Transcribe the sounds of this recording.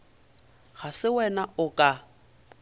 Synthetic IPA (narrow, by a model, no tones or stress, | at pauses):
ɣasɪwɛnaʊkʼa